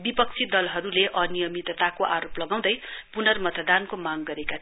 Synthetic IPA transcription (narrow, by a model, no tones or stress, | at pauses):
bipʌk̚t͡sʰid̪ʌlɦʌɾuleʔʌnijʌmit̪ʌt̪akoʔaɾoplʌɡãw̃d̪ʌjpunʌrmʌt̪ʌd̪ankomaɡɡʌɾeka